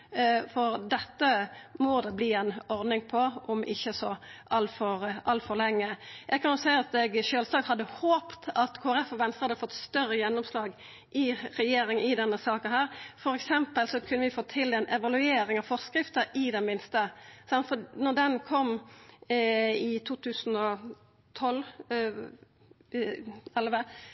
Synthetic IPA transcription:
fɔɾd̪ɛt̪ːəmɔd̪ɛbliːɛnɔɾd̪nɪŋpʰɔʔɔmɪçːəsɔʔɑlfɔʁʔɑlt̪fɔʁlɛŋːəjʔɛɡkʰɑnʊsæɪɑt̪ɛɡʃøːlsɑːt̪hɑd̪ːəhoːpt̪ʰɑt̪kʰoːæɾɛfɔʋɛnst̪əhɑd̪əfɔt̪ːst̪œrəjɛnːɔmslɑːɡ | ʔɪɾɛjeːɾɪŋənɪd̪ɛnːəsɑːkənhæːɾfɔɾɛksɛmpəlsɔkʰʉnːəʋɪfoːt̪ʰɪld̪ɛnʔɛʋɑlʉeːɾɪŋɑʋfɔʁskɾɪft̪əɾɪd̪ɛmɪnst̪əsɑnt̪fɔnɔd̪ɛnkʰɔmː | ɪt̪ʰuːt̪ʰʉːsn̩ɔ | t̪ʰɔl | ɛlʋə

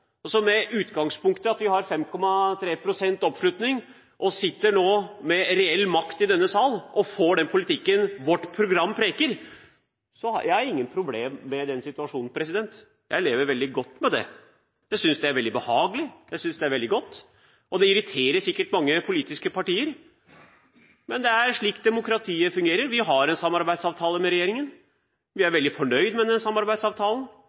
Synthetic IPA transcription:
ɔsɔmɛʉːt̪ɡɑŋspʊŋkt̪əɑt̪ʋɪhɑɾfɛmkʰɔmːɑt̪ʰɾeːpʰɾʊsɛnt̪ɔpʂlʉt̪nɪŋ | ʔɔsɪt̪ːəɳoːmɛɾɛɛlːmɑkt̪ɪd̪ɛnːəsɑlʔɔfoːɖɛnpʰʊlɪt̪ʰɪkːənʋɔʈːpʰɾʊɡɾɑmːpʰɾeːkəɾ | sɔɑ̰jæɪhɑɾɪŋːənpʰɾʊbleːmːɛd̪ɛnsɪt̪ʉɑʂuːnn̩pʰɾɛsɪd̪ɛnt̪ | jæ̰ɪleːʋəɾʋɛld̪ɪɡɔt̪ːmɛd̪ɛ̰ | jæɪsʏnsd̪ɛæɾʋɛld̪ɪbəhɑːɡəlɪjæɪsʏnsd̪ɛæɾʋɛld̪ɪɡɔt̪ː | ʔɔd̪ɛɪɾɪt̪ʰeːɾəsɪkːəʈmɑŋːəpʰʊliːt̪ɪskəpʰɑʈiːəɾ | mɛnd̪ɛæɾʂɭiːk̚t̪̚d̪ɛmʊkɾɑt̪ʰiːəfʉŋɡeːɾəɾʋɪɦɑɾɛnsɑmːɑɾbæɪsɑːʋt̪ʰɑːləmɛɾɛjeːɾɪŋən | ʋɪæɾʋɛld̪ɪfɔɳœʏd̪mɛd̪ɛnsɑmːɑɾbæɪd̪sɑːʋt̪ʰɑːlən̩

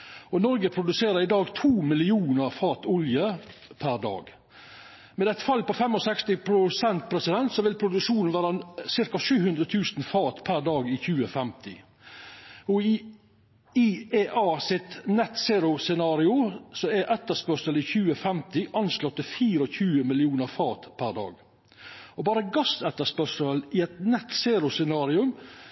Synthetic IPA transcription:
ɔnɔɾɡəpʰɾʊd̪ʉseːɾəɾɪd̪ɑːɡt̪ʰuːmɪlɪuːnəɾfɑːt̪ʊljəpʰæɾd̪ɑ̰ːɡ | mɛd̪ɛt̪ːfɑlːpɔfɛmɔsɛkst̪ɪpʰɾʊsɛnt̪̚pʰɾɛsɪd̪ɛnt̪sɔʋɪlpʰɾʊd̪ʉʂuːnnʋæːɾɑsɪɾkɑʂʉːhʉnd̪ɾət̪ʰʉːsnfɑːt̪pʰæɾd̪ɑːɡɪçʉːəfɛmt̪ɪ | ɔ | ieːʔɑːsɪt̪nɛt̪seːɾʊsɛnɑːɾɪʊsɔɛʔɛt̪əspœʂəlɪçʉːəfɛmt̪ɪʔɑnslɔt̪ːəfiːɾɔçʉːəmɪlɪuːnəɾfɑːt̪pʰæɾd̪ɑ̰ːɡ | ɔbɑːɾəɡɑsɛt̪ːəspœʂəlɪɛt̪nɛt̪seːɾʊsɛnɑːɾɪʉm

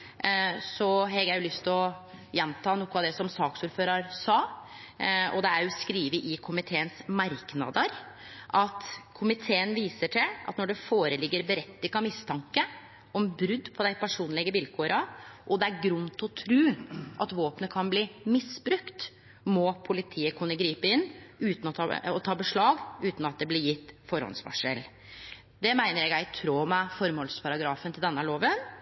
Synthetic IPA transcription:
sɔɦɛɡjæjʊlʏst̪ʰlɔ | jɛnt̪ʰɑːnuːkːɑʋd̪ɛsɔmsɑːksuːɾføːɾɑɾsɑː | ɔ̰d̪ɛæɾjʊskɾiːʋəʔɪkʰʊmɪt̪ʰeːənsmɑɾknɑ̰d̪əɾ | ʔɑt̪kʰʊmɪt̪ʰeːənʋiːsəʈʰɪlʔɑ̰t̪nɔɖɛfoːɾəlɪɡːəɾbəɾɛt̪ːɪŋɑmɪst̪ʰɑŋkə | ʔɔmbɾʉd̪ːpʰɔd̪æɪpʰæʂuːnlɪɡəʋɪlkʰoːɾɑʔɔd̪ɛæɾɡɾʉnt̪ɔt̪ʰɾʉːʔɑt̪ʋoːpnəkʰɑnbliːmɪsbɾʉkt̪ | mɔpʰʊlɪt̪ʰiːəkʰʉnːəɡɾiːpəɪnːʉːt̪nɔt̪ɑɔt̪ʰɑːbəʂɭɑːɡʉːt̪n̩ɑt̪̚d̪ɛblɪɾjɪt̪ːfɔɾhɔ̰nsʋɑ̰ʂəl | d̪ɛmæɪnəɾjæɡjæɪt̪ʰɾoːmɛfɔɾmhɔlspʰɑɾɑɡɾɑːfənt̪ʰɪld̪ɛnːəhæloːʋən

